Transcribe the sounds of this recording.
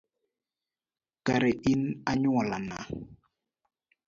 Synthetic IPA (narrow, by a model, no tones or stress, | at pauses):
kaɾɛʔinaɲwɔlana